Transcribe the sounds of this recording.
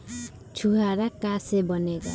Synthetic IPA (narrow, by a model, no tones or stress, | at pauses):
t͡ʃʰuɦaɾakasɛbɔnɛɡa̰